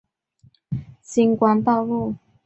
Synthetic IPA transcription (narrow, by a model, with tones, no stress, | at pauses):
ɕi˧˥ŋkwa˧˥nt̪ɑ˥˧ʊlu˥˨